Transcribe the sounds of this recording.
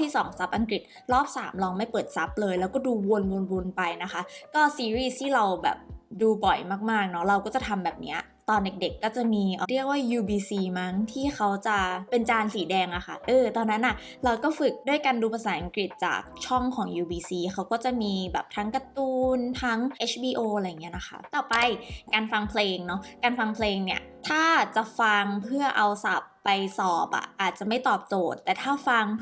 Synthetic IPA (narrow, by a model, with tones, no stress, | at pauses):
t̪ʰiː˥˩sɔː˩˦ŋsa˦˥p̚ʔa˧ŋkɾi˨˩t̪̚ | ɾɔː˥˩p̚sa̰ː˩˦mlɔː˧ŋma˥˩jpɤː˨˩t̪̚sa˦˥p̚lɤː˧jlɛː˦˥wkɔː˥˩duː˧wu˧nwu˧nbu˧npa˧jna˦˥xʰa˦˥kɔː˥˩siː˧ɾiː˥˩st̪ʰiː˥˩ɾa˧wbɛ̰ː˨˩p̚duː˧bɔ˨˩jmaː˥˩k̚maː˥˩k̚nɔ˦˥ɾa˧wkɔː˥˩t͡ɕa˨˩t̪ʰa˧mbɛː˨˩p̚ni˦˥ɐ | t̪ɔː˧nde˨˩k̚de˨˩kːɔː˥˩t͡ɕa˨˩miː˧ʔɔ˨˩ɾi˥˩ək̚waː˥˩juː˧biː˧siː˧ma˦˥ŋt̪ʰiː˥˩xʰa˦˥wt͡ɕa˨˩pe˧nt͡ɕaː˧nsiː˩˦dɛː˧ŋʔa˨˩xʰa̰˨˩ʔɤː˧t̪ɔː˧nːa˦˥nʔa˨˩ | ɾa˧wkɔː˥˩fɯ˨˩k̚du˥˩əjkaː˧nduː˧pʰa˧saː˩˦nʔa˧ŋkɾi˨˩t̪̚t͡ɕa̰ː˨˩k̚t͡ɕʰɔ˥˩ŋkʰɔː˩˦ŋjuː˧biː˧siː˧xʰa˦˥wkɔː˥˩t͡ɕa˨˩miː˧bɛ̰ː˨˩p̚t̪ʰa˦˥ŋka˧t̪uː˧nt̪ʰa˦˥ŋʔe˦˥t͡ɕʰbiː˧ʔoː˧la˧ja˨˩ŋːi˦˥ɐ˧na˦˥xʰa̰˦˥t̪ɔː˨˩pa˧jkaː˧nfa˧ŋpʰleː˧ŋnɔ˦˥kaː˧nfa˧ŋpʰleː˧ŋni˥˩ɐt̪ʰaː˥˩t͡ɕa˨˩fa˧ŋpʰɯ˥˩ɐʔa˧wsa˨˩pːa˧jsɔː˨˩p̚ʔa̰˨˩ʔaː˨˩t̪̚t͡ɕa˨˩ma˥˩jt̪ɔː˨˩p̚t͡ɕoː˨˩t̪ːɛː˨˩t̪ʰaː˥˩fa˧ŋ